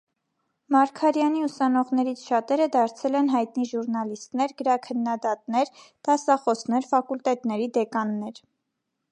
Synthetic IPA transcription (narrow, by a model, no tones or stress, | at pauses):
mɑɾkʰɑɾjɑniusɑnɔʁnɛɾit͡sʰʃɑt̪ɛɾəd̪ɑɾt͡sʰɛlɛnɦɑjt̪niʒuɾnɑlist̪nɛɾɡəɾɑkʰənːɑd̪ɑt̪nɛɾt̪ɑsɑχɔsnɛɾfɑkult̪ɛt̪nɛɾid̪ɛkɑnːɛɾ